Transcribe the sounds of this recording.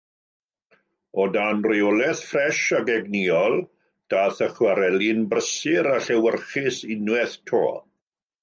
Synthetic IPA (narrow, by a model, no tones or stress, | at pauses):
ɔdanriɔlɛθfrɛʃaɡɛɡniɔlˠ | d̥aːθəχwaɾɛlinbrəsɪɾaɬɛwərχɪsɪnwɛθtʰo̰ː